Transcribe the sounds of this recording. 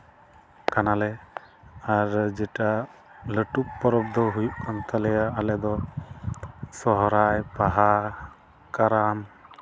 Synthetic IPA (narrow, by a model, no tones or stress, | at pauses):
kanalɛ | aɾd͡ʒɛʈaləʈuk̚pɔɾɔb̚d̪ɔɦujuʔkant̪alɛjaːlɛd̪ɔ | sɔɦɾajpaɦa | kaɾan